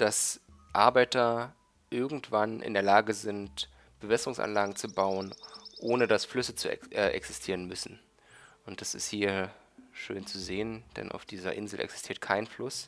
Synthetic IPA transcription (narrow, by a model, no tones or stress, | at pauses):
d̥as | ʔaɐbaɪtɐ | ʔɪɐɡŋ̩tv̥anʔɪ̰ndeːɐlaːɡəzɪnt | b̥əvɛsəʁʊŋsʔa̰nlaːɡŋ̩t͡subaʊənʔoːnədasflʏsət͡suʔɛʔɛ̰ksɪstʰiːʁənmʏsn̩ | ʔʊnt̚d̥asɪ̰sthiːɐ | ʃøːnt͡suzeːənd̥ɛ̰nʔa̰ʊfd̥iːzɐ̰ʔɪnzl̩ʔɛ̰ksɪ̥stʰiːɐt̚kʰaɪnflʊs